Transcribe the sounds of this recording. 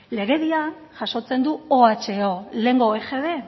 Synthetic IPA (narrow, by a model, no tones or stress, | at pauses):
le̞ɣe̞ðia | ʝaso̞t͡se̞nd̪uoat͡ʃe̞ole̞ŋɡo̞exeβe̞